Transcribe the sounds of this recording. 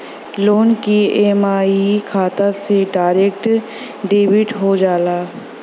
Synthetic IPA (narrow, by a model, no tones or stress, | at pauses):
loːnkieːmaːikʰaːt̪aseɖaːɾeːkʈ | ɖeːʋɪʈɦod͡ʒaːlaː